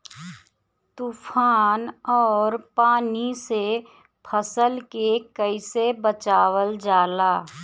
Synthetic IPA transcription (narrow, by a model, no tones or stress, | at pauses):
t̪uːfʰaːnɔːɾpaːnise | pʰəsəlkekəɪsebət͡ʃaːwəld͡ʒaːlaː